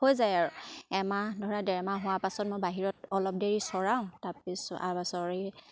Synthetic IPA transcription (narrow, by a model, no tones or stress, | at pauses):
hojzajaɹuɛmadʱɔɹadɛɹmaɦʊwapasɔt̚mojbaɦiɹɔtɔlɔp̚deɹisɔɹaʊ̃tapisɔa̰ɹbasɔɹi